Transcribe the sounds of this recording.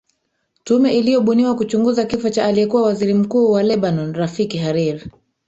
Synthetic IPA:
tumɛʔilijɔɓuniwakut͡ʃuŋɡuzakifɔt͡ʃaːlijɛkuwawaziɾim̩kuːwalɛɓanɔnɾafikiɦaɾiɾi

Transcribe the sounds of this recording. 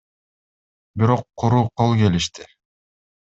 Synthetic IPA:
biɾo̞qʰːuɾuːqʰolˠke̞liʃt̪ɪ

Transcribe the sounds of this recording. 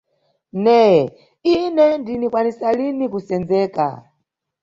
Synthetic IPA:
nɛ | inɛndinikwanisalinikusɛnd͡zɛːka̰

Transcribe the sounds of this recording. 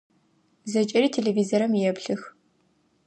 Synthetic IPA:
zɐt͡ʃʼɐriːtʰeːlevizoɾɐmijɛpɬɨx

